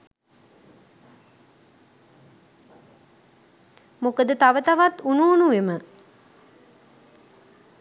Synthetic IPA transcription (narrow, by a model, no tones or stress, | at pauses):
mokəd̪ət̪aʋət̪aʋat̪unuːnuʋemə